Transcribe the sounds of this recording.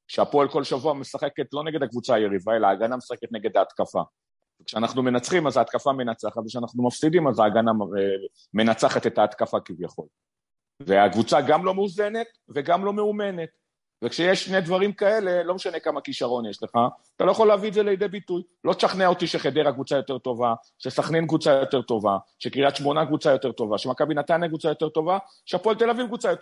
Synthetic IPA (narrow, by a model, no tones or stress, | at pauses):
kʃeapo̞elko̞lʃavuamesaχe̞ket̪lo̞ne̞ɡed̪akvut͡saːje̞ʁivae̞laaːɡanamesaχeket̪neɡe̞d̪aːt̪kafa̰ | vekʃeanaχnume̞nat͡sχimazaːt̪kafame̞nat͡saχatvekʃeanaχnumafsid̪imazaːɡana | me̞nat͡saχat̪e̞t̪aːt̪kafakivjaχo̞l | veakvut͡saɡamlo̞meuze̞ne̞t̪ | ve̞ɡamlo̞meume̞ne̞t̪ | vekʃejeʃːned̪vaʁimkae̞le̞lo̞meʃane̞kamakiʃaʁo̞njeʃle̞χaat̪alojaχo̞lːeavizeleid̪ebit̪ujlo̞t̪ʃaχneo̞t̪iʃeχed̪eʁakvut͡sajo̞t̪e̞ʁt̪o̞va | ʃesaχnenkvut͡sajo̞t̪e̞ʁt̪o̞vaʃekiat̪ʃmo̞nakvut͡sajo̞te̞ʁt̪o̞vaʃemakabinat̪ajnakvut͡sajo̞t̪e̞ʁt̪o̞va | ʃeapolt̪e̞lavivkvut͡sajote